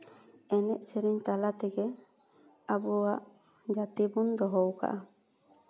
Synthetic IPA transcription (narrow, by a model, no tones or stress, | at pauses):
eneʔseɾiɲt̪alat̪eɡe | abuaʔ | d͡ʒat̪ibund̪ɔɦowka̰ʔa